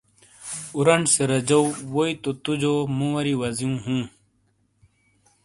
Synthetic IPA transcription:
uɾɐɳseɾɐd͡ʑɐwwoit̪ot̪ud͡ʑoːmũwɐɾiwɐzijũːɦũː

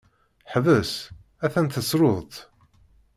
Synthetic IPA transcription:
ħvəs | æθænt̪əsɾʊðˤt̪

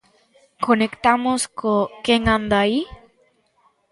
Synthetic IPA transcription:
konekt̪amoskokeŋãnd̪ai

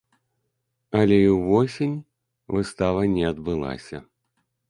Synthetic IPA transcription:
ɐlʲɛiwvɔsʲinʲ | vɨst̪avɐnʲɛɐd̪bɨlˠa̰sʲɐ

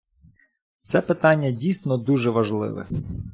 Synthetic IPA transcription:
t̪sɛpɪt̪ɑnʲːɐdʲijsnɔd̪uʒɛʋɐʒlˠɪ̰ʋɛ̰

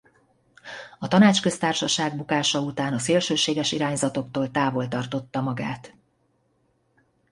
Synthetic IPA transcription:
ɒt̪ɒnaːt͡ʃkø̞st̪aːrʃɒʃaːɡbukaːʃɒut̪aːnɒseːlʃøːʃeːɡɛʃiɾaːɲzɒt̪o̞kt̪oːlt̪aːvo̞lt̪ɒrt̪o̞t̪ːɒmɒɡaːt̪

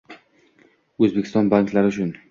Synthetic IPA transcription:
ɵzbekʲʰɪst̪ɒnbaŋklaɾɪʊt͡ʃʰʊn

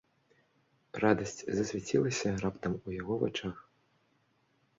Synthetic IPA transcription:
rad̪ɐsʲt͡sʲzɐsʲvʲat͡sʲilˠɐsʲɐrapt̪ɐmujaɣɔva̰t͡ʂax

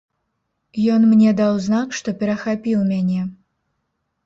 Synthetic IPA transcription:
jɔnmnʲɛd̪awznakʂt̪ɔpʲɛɾɐxapʲiwˠmʲanʲɛ

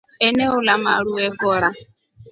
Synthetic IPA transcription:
ɛneʊlama̰ɺuɛɡɔɾa

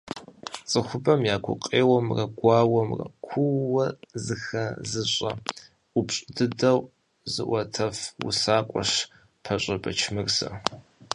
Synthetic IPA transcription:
t͡sʼɨxʷʊbɐmjaːkʷʰʊ̰qʼeːwɐmrɐɡʷɑːwɐmrɐ̰kʷʰuwɐzɨxɐzɨɕʼɐ | ʊpɕʼɪdɨdɐw | zɨ̰ʔʷɐtʰɐfwʊ̰saːkʷʼɔ̰ʂ | pʰɐɕʼɐbɐt͡ʃʰmɨrsɐ̰

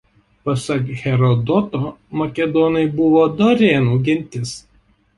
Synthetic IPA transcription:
pɐsɐkɣʲɛɾɔd̪ɔt̪oːmɐkʲɛd̪ɔnɐɪbʊʋoːd̪ɔɾʲeːnuːɡʲɛnʲˑt̪ʲɪs

